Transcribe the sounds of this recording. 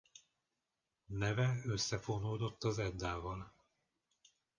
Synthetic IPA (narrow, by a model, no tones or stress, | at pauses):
nɛvɛøsːɛfonoːd̪o̞t̪ːɒzɛd̪ːaːvɒl